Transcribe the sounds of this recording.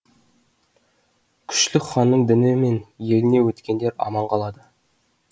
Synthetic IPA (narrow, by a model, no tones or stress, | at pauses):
kʲʰʏ̥ʃlɪχɑnːəɴd̪ɪnɪme̞nje̞lɪne̞wɵt̪kʲe̞nd̪e̞ɾɑ̰mɑɴqʰɑlˠɑd̪ə